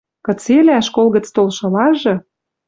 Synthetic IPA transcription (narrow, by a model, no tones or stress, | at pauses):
kɤ̆t͡selæʃkolɣə̆t͡st̪olʃɤ̆lɑʒɤ̆